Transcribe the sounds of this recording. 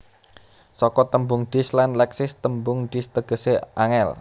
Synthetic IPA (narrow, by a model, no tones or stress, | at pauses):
sɔkɔt̪əmbʊŋɖ̪̥i̤slanlɛksɪst̪əmbʊŋɖ̪̥i̤st̪əɡ̥ə̤seʔaŋɛl